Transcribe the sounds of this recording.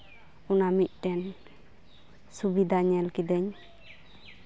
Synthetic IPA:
unamic̪̚ˀʈɛn | subid̪ʱaɲɛlkid̪ɛɲ

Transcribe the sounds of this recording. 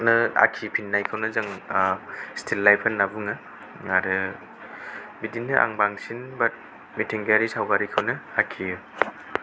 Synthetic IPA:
nɯa̰kʰipʰinːajkʰawnɯzɯŋ | stʰilːajpʰanːabuŋɯ | aɾɯ | bidinːɯʔa̰ŋbaŋsinbat̚ | mitʰiŋɡaɾisawɡaɾikʰɯwnɯakʰiɯ

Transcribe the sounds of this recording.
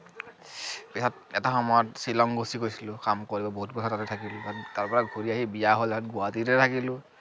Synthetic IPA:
pisat̚ɛtaxɔmɔjɔtsilɔŋɡosikojsilʊ̃kamkoɹibɔboɦut̚pɔsatatɛtʰakilʊbataɹpɔɹaɡʱoɹiaɦibijaɦolɛsɔtɡʊwatitɛtʰakilʊ̃

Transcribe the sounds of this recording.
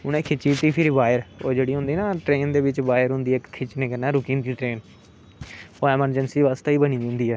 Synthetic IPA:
ʊnẽːkʰɪt͡ʃiːt̪iːpʰɪɾiʋaːjəɾoːd͡ʒeːɽiːɦʊ̃nd̪iːnaːʈɾeːnd̪eːʋɪt͡ʃbaːɪəɾɦʊ̃nd̪iːɛkt̪ʰɪt͡ʃnẽːkənɛːɾʊkĩːnt̪iːʈɾeːn | oɛːməɾd͡ʒənsiːʋaːst̪eiːbəñiːɦʊ̃nd̪iːɛː

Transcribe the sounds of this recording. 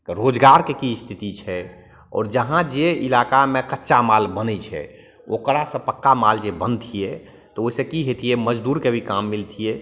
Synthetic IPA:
ɾod͡ʒɡaɾkekist̪ʰit̪it͡ʃʰɛ | ɔ̰ːɾd͡ʒəɦãd͡ʒeilakamekətːʃamalbənɛt͡ʃʰɛ̰ | okɾasə̃pəkːamald͡ʒebənt̪ʰijɛ | t̪ɔoisẽkiɦet̪ʰijɛməd͡ʒd̪uɾkebʱikamːilt̪ʰijɛ

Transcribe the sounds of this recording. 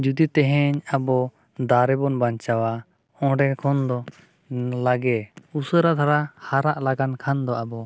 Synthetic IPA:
d͡ʒud̪it̪ɛɦɛɲabɔ | d̪aɾɛbɔnbaɲt͡ʃawa | ɔ̃ɖɛkʰɔnd̪ɔ | laɡɛusəɾat̪ʰaɾahaɾaʔlaɡankʰand̪ɔabɔ

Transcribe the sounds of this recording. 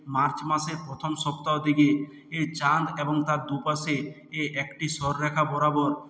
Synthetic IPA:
maɾt͡ɕmaʃeɾpɾot̪ʰomʃɔpt̪aod̪ike | et͡ɕand̪eboŋt̪aɾd̪upase | eʔɛkʈisɔɾɾɛkʰabɔɾabɔɾ

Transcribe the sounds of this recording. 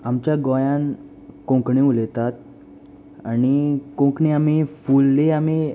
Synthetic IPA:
amt͡ɕjaɡɔjãn | kõkɳeulet̪at̪̚ | añikõkɳeamifulːeami

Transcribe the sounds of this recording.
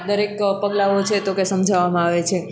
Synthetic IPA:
d̪əɾekpəɡlaot͡ʃʰet̪okesəmd͡ʒʱaʋamãaʋet͡ʃʰe

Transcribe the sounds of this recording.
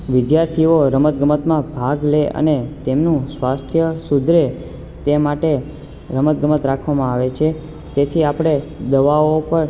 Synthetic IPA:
ʋɪd̪jaɾt̪ʰiʋoɾəmət̪̚ɡəmət̪mãbʱaɡleʔə̰net̪emnũsʋast̪ʰjəsud̪ʱɾe | t̪emaʈe | ɾəmət̪̚ɡəmət̪ɾakʰʋamãaʋet͡ʃʰe | t̪et̪ʰiapɽ̃ed̪əʋaopəɾ

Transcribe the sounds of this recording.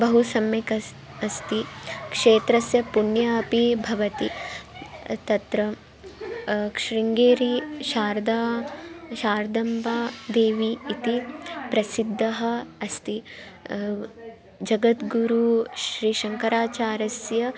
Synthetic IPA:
bɐɦusɐmjekɐ | ɐst̪ikʂeːt̪ɾɐsjɐpunjaɐpibʱɐʋɐt̪i | t̪ɐt̪ɾɐ | kʃɾiŋɡeːɾiʃaːɾd̪aːʃaːɾd̪ɐmbaːd̪eːʋiːt̪ipɾɐsid̪ʱːɐɦɐ̆ɐst̪i | d͡ʒɐɡɐt̪ɡuɾuʃɾiːʃɐŋkɐɾaːt͡ʃaːɾɐsjɐ

